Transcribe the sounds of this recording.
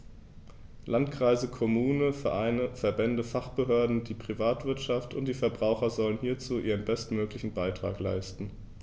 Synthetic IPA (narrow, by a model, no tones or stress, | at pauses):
lʔantkʁ̥aɪzəkʰɔmuːnəfɛɐʔaɪnəfɛɐbɛndəfaχb̥əɦøːɐdn̩diːpʁ̥ivaːtv̥ɪɐtʃaftʊnt̚d̥iːfɛɐbʁaʊxɐzɔlənhiːɐt͡suːʔiːʁ̞ənbɛstmøːklɪçn̩baɪtʁ̥a̰ːkla̰ɪstn̩